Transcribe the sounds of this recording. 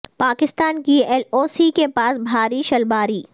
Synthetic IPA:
paːkɪst̪aːnkiɛːloːsikepaːsbʱaːɾiʃɐlbaːɾiː

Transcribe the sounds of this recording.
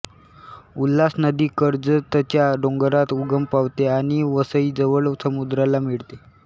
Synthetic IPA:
ulːasnəd̪iːkəɾd͡zət̪ət͡ɕjaɖoŋɡəɾat̪uɡəmpaʋt̪eaɽ̃iʋəsəiːd͡zəʋəɭsəmud̪ɾalamiɭt̪e

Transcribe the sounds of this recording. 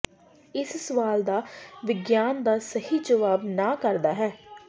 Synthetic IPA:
ɪssəʋaːld̪aːʋɪɡjaːnd̪aːsəhiːd͡ʒəʋaːbnãːkəɾd̪aːɦɛː

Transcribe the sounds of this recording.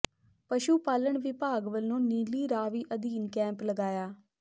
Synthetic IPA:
pəʃuːpaːləɳʋɪpaːɡʋəlnũːniːliːɾaːʋiːʔəd̪iːnkɛ̃ːmpləɡaːjaː

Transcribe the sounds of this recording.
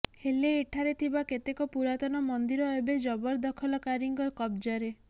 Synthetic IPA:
heleːʈʰaɾet̪ʰibaket̪ekɔpuɾat̪ɔnɔmɔnd̪iɾɔebed͡ʒɔbɔɾd̪ɔkʰɔlɔkaɾiŋɡɔkɔb̚d͡ʒɔɾe

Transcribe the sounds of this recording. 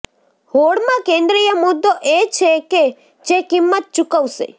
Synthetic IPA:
hoɽmãkẽnd̪ɾijəmʊd̪ːoʔet͡ʃʰeke | d͡ʒekimːət̪̚t͡ʃukəʋʃḛ

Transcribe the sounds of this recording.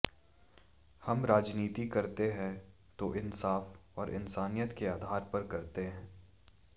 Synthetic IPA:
hɐmɾaːd͡ʒniːt̪ikɐɾt̪eɦɛ̃ | t̪oʔɪnsaːfɔːɾʔɪ̰nsaːnijət̪keaːd̪ʱaːɾpɐɾkɐɾt̪eɦɛ̃ː

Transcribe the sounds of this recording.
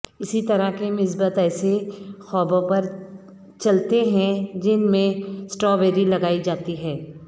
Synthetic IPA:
ɪsit̪ɐɾakemɪs̬bət̪ɛːsexɔːbõpɐɾ | t͡ʃɐlt̪eɦɛ̃d͡ʒɪnmẽsʈɔːʋeːɾilɐɡaːid͡ʒaːt̪iɦɛ̃ː

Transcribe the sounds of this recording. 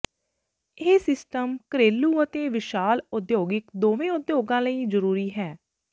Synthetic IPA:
eːsɪsʈəmkəɾeːluːət̪eːʋɪʃaːlʊd̪joːɡɪkd̪oːʋẽːʊd̪joːɡãːləiːzəɾuːɾiːɦɛː

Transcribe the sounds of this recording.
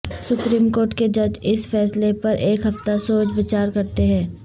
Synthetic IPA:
sʊpɾiːmkoːɾʈked͡ʒɐd͡ʒɪsfɛːslepɐɾʔeːkɦɐft̪asoːt͡ʃʋɪt͡ʃaːɾkɐɾt̪eɦɛ̃ː

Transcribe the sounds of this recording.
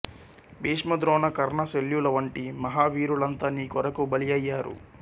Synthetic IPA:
biːʂmɐd̪ɾɔːnɐkɐɾɳɐseljulɐʋɐɳʈimɐɦaːʋiːɾulɐnt̪ɐniːkɔɾɐkubɐlijɐjːaːɾṵ

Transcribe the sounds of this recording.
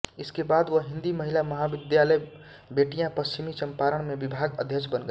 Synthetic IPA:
ɪskebaːd̪ʋəɦɪ̃nd̪iməɦilamɐɦaʋɪd̪jaləj | beːʈijãpəst͡ʃimit͡ʃəmpaɾəɽ̃mẽʋɪbʱaːɡəd̪ʱjət͡ʃbənɡə

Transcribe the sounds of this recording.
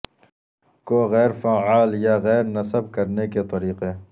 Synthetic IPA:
koːɣɛːɾfaːʕaːljaːɣɛːɾnɐsəb̚kɐɾneket̪ɐɾiːqe

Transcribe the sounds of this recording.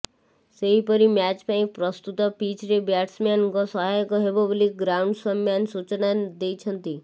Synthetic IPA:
seɦipɔɾimjat͡ʃpaĩk̚pɾɔst̪ut̪ɔpit͡ʃɾebjaʈsmanɡɔsɔɦajkɔɦeboblik̚ɡɾauɳɖsɔmjansut͡ʃnad̪ejt͡ʃʰənt̪i

